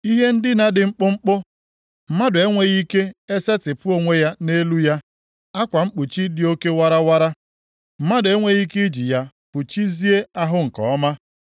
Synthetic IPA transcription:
i˦ɦe˦n̩˦dɪ˦na˦dɪ˨ŋ͡m̩˦k͡pʊ˦ŋ͡m̩˦k͡pʊ˦ | m̩˦ma˦dʊ˨e˦ŋʷe˦ɣi˦ke˦e˦se˦tɪ˨pʊ˦o˨ŋʷe˦ja˦ne˦lu˦ja˦ | a˦kʷa˨ŋ͡m̩˦k͡pu˨t͡ʃi˦dɪ˨˦o˦ke˦wa˦ɾa˦wa˦ɾa˦ | m̩˦ma˦dʊ˨e˦ŋʷe˦ɣi˦ki˦d͡ʒi˨ja˦ | pʊ˨t͡ʃi˦zi˦e˦a˦ɦʊ˦ŋ̩˨kɔ̰˨˦ma˦

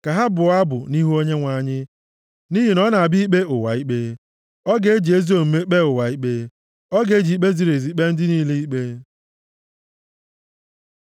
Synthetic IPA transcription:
ka˨ɦa˦bʊ˨˦a˦bʊ̰˨ni˦ɦu˦o˦ɲe˦ŋʷa˨˦˨ɲɪ˦ | ni˦ɦi˨nɔ˦na˨a˨bi˦k͡pe˦ʊ˨wa̰˨i˦k͡pe˦ | ɔ˦ɡe˨e˦d͡ʒi˨e˦zi˦o˨m̩˨me˦k͡pe˦ʊ˨wa˨i˦k͡pe˦ | ɔ˦ɡe˦d͡ʒi˨i˦k͡pe˦zi˨ɾe˨zi˨˦k͡pe˦n̩˦dɪ˦ni˦le˦i˦k͡pe˦

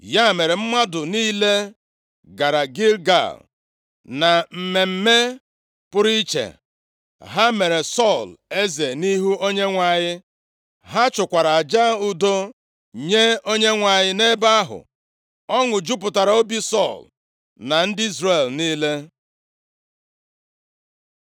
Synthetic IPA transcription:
ja˦˨me˨ɾe˨m̩˦ma˦dʊ˨niː˦le˦ | ɡa˨ɾa˨ɡi˦lɡa̰˨l | na˨m̩˨me˨m̩˦me˦ | pʊ˦ɾi˦t͡ʃḛ˨ | ɦa˦me˨ɾe˨sɔ˦˨le˦ze˨ni˦ɦu˦o˦ɲe˦ŋʷa˨ɲɪ˦ | ɦa˦t͡ʃʊ˨kʷa˨ɾa˨a˨d͡ʒa˦u˦do˦ | ɲe˦o˦ɲe˦ŋʷa˨ɲɪ˦ne˦ba˦a˦ɦʊ̰˨ | ɔ˦ŋʊ˨d͡ʒu˦p̬ʊ˨ta˨ɾa˨o˦bi˦sɔ˦˨l | na˨n̩˦dɪ˦i˦zre˦˨lniː˦le˦

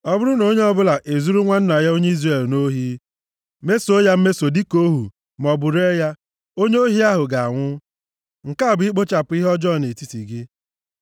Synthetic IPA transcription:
ɔ˦bʊ˦ɾʊ˦no˦ɲe˦ɔ˦bʊ˦la˨ʔe˨zu˦ɾu˦ŋʷa˦n̩˦na˨ja˦o˦ɲe˦i˦zre˨lno˦ɦi˦ | me˦so˦ja˦m̩˦me˦so˨di˦ko˦ɦṵ˨ | m˨ɔ˨bʊ˨ɾe˦ja˦ | o˦ɲe˦o˦ɦi˦a˦ɦʊ˨ɡa˨a˨ŋʷʊ˦ | ŋ̩˨ka˦a˨bʊ˨i˦k͡po˦t͡ʃa˨pʊ˨˦i˦ɦɔ˦d͡ʒɔ˦˨ne˨ti˦ti˨ɡɪ˦

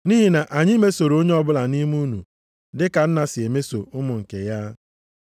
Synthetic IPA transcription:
niː˦ɦi˨na˨ʔa˨ɲɪ˦me˦so˨ɾo˦ɲe˦ɔ˦bʊ˦la˨ni˦mu˦nu˨ | dɪ˦ka˨n̩˦na˨sɪ˨e˨me˦so˨ʊ˦mʊ˨ŋ̩˨kḛ˨ja˦

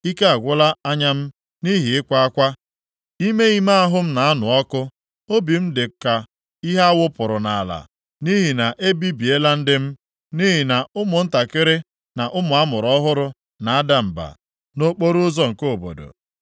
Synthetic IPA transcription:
i˦ka˦a˨ɡʷʊ˦la˦a˦ɲa˦m̩˦ | ni˦ɦi˨ɪ˦kʷa˦a˦kʷa˦ | i˦me˦i˦ma˦a˦ɦʊ˦m̩˦na˨a˦nʊ˨ɔ˦kʊ˦ | o˦bi˨m̩˦dɪ˨ka˨ | i˦ɦa˦a˦wʊ˦pʊ˨ɾʊ˨na˨a˨la̰˨ | ni˦ɦi˨na˨ʔe˦bi˦bi˨e˦la˦n̩˦dɪ˦m̩˦ | ni˦ɦi˨na˨ʊ˦mʊ˨n̩˦ta˨kɪ˦ɾɪ˦ | na˨ʔʊ˦mʊ˨a˦mʊ˨ɾɔ˦ɦʊ˦ɾʊ˦ | na˨a˦da˨m̩˨ba̰˨ | no˦k͡po˦ɾʊ˦zɔ˦ŋ̩˨ko˦˨bo̰˨do̰˨

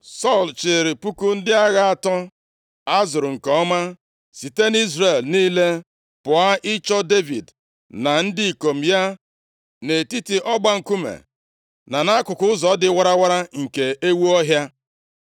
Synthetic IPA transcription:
sɔ˦˨lt͡ʃe˨ɾɪ˨pu˦ku˦n̩˦dɪ˦a˦ɣa˦a˨tɔ˦ | a˦zʊ˨ɾʊ˨ŋ̩˨kɔ˦ma˦ | si˨te˦ni˦zre˨lniː˦le˦ | pʊ˨a˦ʔɪ˦t͡ʃɔ˦de˦vḭ˨d | na˨n̩˦dɪ˦i˨ko˨m̩˨ja˦ | ne˨ti˦ti˨ʔɔ˦ɡ͡ba˦ŋ̩˨ku˦mḛ˨ | na˨na˦a˦kʊ˨kʊ˦ʊ˦zɔ˨˦dɪ˦wa˦ɾa˦wa˦ɾa˦ŋ̩˨ke˨ʔe˦wu˦ɔ˦ɦja˦

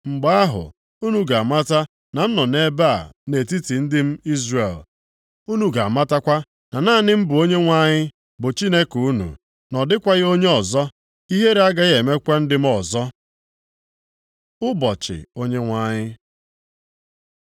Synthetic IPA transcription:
ŋ͡m̩˨ɡ͡ba˦a˦ɦʊ̰˨ | u˦nu˦ɡa˨a˨ma˦ta˦ | na˨n̩˦nɔ˨ne˦ba̰˦˨ne˨ti˦ti˨n̩˦dɪ˦m̩˦i˦zre˨l | u˦nu˨ɡa˨a˨ma˦ta˦kʷa˦ | na˨naː˦˨nɪ˦m̩˦bʊ˨o˦ɲe˦ŋʷa˦ɲɪ˦ | bʊ˨t͡ʃi˦ne˦ku˦nṵ˨ | nɔ˨dɪ˦kʷa˦ɣo˦ɲe˦ɔ˨zɔ˦ | i˦ɦe˦ɾe˦a˦ɡa˦ɣe˨me˦kʷa˦n̩˦dɪ˦m̩˦ɔ˨zɔ˦ | ʊ˦bɔ˨t͡ʃɪ̰˨o˦ɲe˦ŋʷa˦ɲɪ˦

